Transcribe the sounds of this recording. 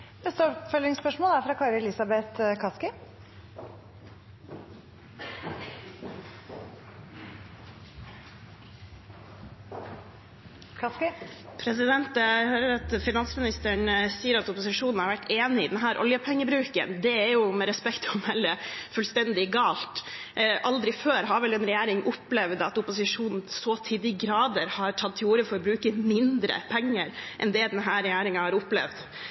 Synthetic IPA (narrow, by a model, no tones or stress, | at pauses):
nɛst̪əɔpfɔlɪŋspœʂmoːlæɾfɾɑkʰɑɾəlɪsɑbɛt̪kʰɑskɪ | kʰɑskɪpʰɾɛsɪd̪ɛnt̪høːɾəɾɑt̪fɪnɑnsmɪnɪst̪əɳsiːəɾɑt̪ʊpʊsɪʂuːnn̩hɑɾʋæʈːeːnɪɪ̰d̪ɛnɦæːɾʔɔ̰ljəpʰɛŋːəbɾʉːkə̰nd̪ɛæɾjʊmɛɾɛspɛkt̪ɔmɛlːəfʉːlst̪ɛnd̪ɪɛɡɑːlt̪ʔɑld̪ɾɪføːɾɦɑɾʋɛlɛnɾɛjæːɾɪŋʔʊplɛʋd̪ɑt̪ʊpʊsɪʂuːnn̩sɔːt̪ʰiːd̪ɪɡɾɑːd̪əɾhɑɾʈʰɑt̪̚t̪ʰːɪuːɾəfɔɾɔbɾʉːkəmɪnd̪ɾə̰pʰɛŋːəɾʔɛ̰nd̪ɛd̪ɛnɦæːɾɛjæːɾɪŋɑhɑɾʊplɛ̰ʋd̪